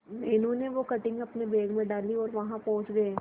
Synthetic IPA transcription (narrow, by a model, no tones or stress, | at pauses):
meːnũneʋokɐʈɪ̃ŋɡɐpnebeːɡmẽɖaːliɔːɾʋɐɦãpɔ̃ɦʊ̃t͡ʃɡɐeː